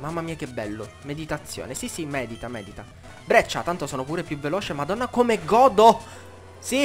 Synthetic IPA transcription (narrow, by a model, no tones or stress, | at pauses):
mamːamiːak̟ebːɛlːomed̪it̪at̪sːjo̰ːnesisimɛːd̪it̪amɛ̰ːd̪it̪a | bɾɛt͡ʃːat̪ant̪osoːnopuːɾepjuveloːt͡ʃemad̪ɔnːakomeɡɔːd̪o | si